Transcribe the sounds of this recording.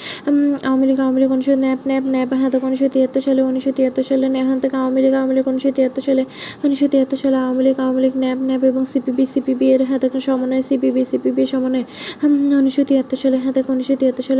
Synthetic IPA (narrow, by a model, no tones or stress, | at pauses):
aoamiliɡaoamiliɡonuʃonɛbnɛbnɛbɦad̪akoniʃot̪iat̪ːoʃaleoniʃot̪iat̪ːoʃalenɛɦãd̪ekaoamiliɡawamiliɡoniʃot̪iat̪ːoʃaleoniʃot̪iat̪ːoʃaleaoamiliɡaoamiliɡnɛpnɛbeboŋsipibisipibieɾɦãt̪ekʃɔmoneesibibisipibieɾʃɔmone | oniʃot̪iat̪ːoʃaleɦãt̪ekoniʃot̪iat̪ːoʃale